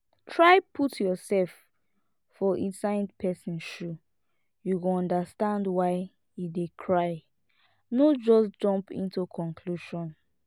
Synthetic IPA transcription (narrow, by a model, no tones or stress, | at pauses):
tʰɹaɪpʰutʰjɔsɛlfː | ɔʔĩnsãɪndpʰɛsĩnʃu | juɡoɔ̃ndastãndwaɪ | idekʰɹaɪ | nod͡ʒɔsd͡ʒɔ̃mpḭ̃ntukʰɔ̃nkʰluʃɔ̃n